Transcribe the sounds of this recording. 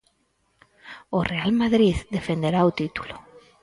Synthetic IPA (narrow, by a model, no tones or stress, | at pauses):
orealmaðɾiðd̪efend̪eɾaot̪it̪u̥lo